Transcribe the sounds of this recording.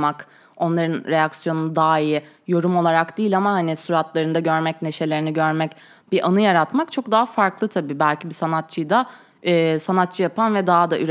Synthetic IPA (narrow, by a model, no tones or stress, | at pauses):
ak | o̞nlˠaɾɯnɾe̞jaksjo̞nd̪aːi | jo̞ɾumo̞lˠaɾakd̪iːlʲamahanisuɾat̪lˠaɾɯnd̪aɟøɾmɛcne̞ʃe̞lʲeɾiniɟøɾmɛc | b̥iʔanɯjaɾat̪makt͡ʃʰo̞k̚d̪aɦafaɾklˠɯt̪ʰabiːbælʲcʰibisanat̪̚t͡ʃʰɯjd̪a | ɛːsanat̪̚t͡ʃʰɯjapʰanvɛd̪aɦad̪aʔyɾ